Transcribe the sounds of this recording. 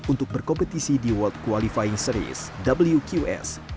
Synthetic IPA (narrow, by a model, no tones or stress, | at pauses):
unt̪ʊk̚bərkɔmpət̪isidiwɔlt̪̚kualifaiŋsəɾḭsdabəljukjuɛ̰s